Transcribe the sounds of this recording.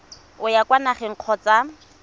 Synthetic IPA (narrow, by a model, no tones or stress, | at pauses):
ʊjakʼwanaχɛŋ̩q͡χʰɔt͡sa